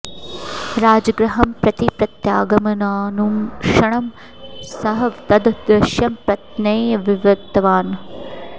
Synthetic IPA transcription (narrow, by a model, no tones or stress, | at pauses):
ɾaːd͡ʒɐɡɾɐɦɐmpɾɐt̪ipɾɐt̪jaːɡɐmɐnaːnumʂɐɳɐm | sɐɦɐʋt̪ɐd̪d̪ɾɐʃjɐmpɾɐt̪nɐjɐʋiʋɾɐt̪ːɐʋaːn